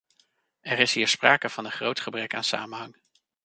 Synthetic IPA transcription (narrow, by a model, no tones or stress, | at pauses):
ɛɾɪsɦiːɹspraːkəv̥ɑnəχrowtχəbrɛkaːnsa̰ːmənɦɑŋ